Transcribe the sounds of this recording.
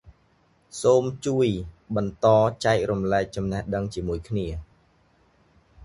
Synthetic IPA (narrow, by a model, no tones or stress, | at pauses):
soːmt͡ɕuəj | ɓɑnt̪ɑːt͡ɕaɛk̚rumlɛɛk̚t͡ɕɑmnɛhɗəŋt͡ɕiəmuəjkʰniə